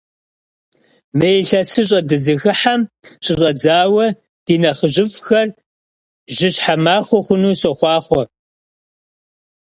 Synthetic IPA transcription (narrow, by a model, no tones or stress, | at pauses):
mejɬɐsɨɕ̬ʼɐdɨzɨɣɨħamɕʼɪɕʼɐd͡zaːwɐ | d̥iːnɐχəʑɪfxɐr | ʒɪɕħamaːχʷɔχʷʊnuːsɔχʷɑːχʷɔ